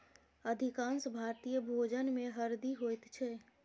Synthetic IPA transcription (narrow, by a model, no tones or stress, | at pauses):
əd̪ʱikãnsbʱaɾt̪ijəbʱod͡ʒənmẽɦəɾd̪iɦojt̪t͡ʃʰɛ